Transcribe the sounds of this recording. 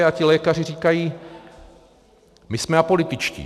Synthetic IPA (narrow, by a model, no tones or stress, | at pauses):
acɪlɛːkar̝ɪriːkajiː | mɪsmɛapo̞lɪt̪ɪt͡ʃcḭː